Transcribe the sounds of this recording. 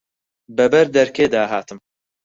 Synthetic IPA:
bɛbɛɾd̪ɛɾkeːd̪aːɦaːt̪ɨm

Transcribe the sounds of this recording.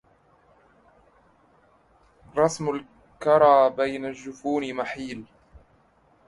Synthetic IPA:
ɾˤɑsmʊl | kɑɾˤɑːbajnaʒːʊfuːnmaħiːl

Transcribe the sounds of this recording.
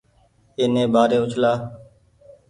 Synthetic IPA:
eːnẽːbaːɾeːʊt͡ʃʰlaː

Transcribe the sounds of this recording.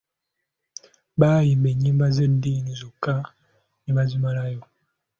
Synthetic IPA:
bajimbeɲimbazən̩dinizoka | nimazimalajo

